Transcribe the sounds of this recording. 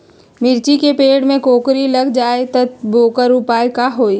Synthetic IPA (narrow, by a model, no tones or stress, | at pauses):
mɪɾt͡ʃikepeːɽmẽkoːkɾilɐɡd͡ʒaːet̪ɐt̪̚boːkəɾʊpaːjkaɦoːiː